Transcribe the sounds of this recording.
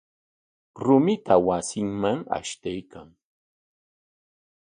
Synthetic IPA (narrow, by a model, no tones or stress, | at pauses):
ɾʊmɪt̪awasɪŋmaŋa̰ʃt̪ajkaŋ